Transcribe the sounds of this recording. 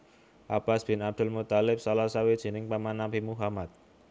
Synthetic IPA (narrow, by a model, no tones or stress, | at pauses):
ʔab̥asb̥ɪnab̚d̥̪ʊlmut̪alɪp̚salasawed̥ʒ̥i̤nɪŋpamanabimuɦamat̪̚